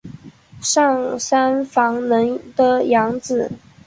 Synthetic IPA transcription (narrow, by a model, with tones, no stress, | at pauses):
ʂɑ˥˩ŋsa˥nfɑ˧˥ŋnə˧˥ŋt̪ə˨jɑ˧˥ŋt͡sɹ̩˨˩